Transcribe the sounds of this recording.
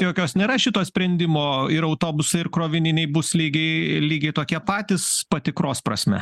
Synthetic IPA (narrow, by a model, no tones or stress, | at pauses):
joːkʲoːsnʲeːɾɐʃʲɪt̪oːsʲpʲɾʲɛnʲd̪ʲɪmoːɪɾɐʊt̪oːbʊsɐɪɪɾkɾoːʋʲɪnʲɪnʲɛɪbʊslʲiːɡʲɛɪlʲiːɡʲɛɪt̪oːkʲiɛpɑːt̪ʲɪspɐt̪ʲɪkɾoːspɾɐ̰sʲmʲɛ̰